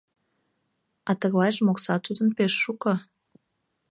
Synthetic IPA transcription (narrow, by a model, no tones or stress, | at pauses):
ɑt̪əɣlɑjʒmoksɑt̪ud̪ənpeʃːukə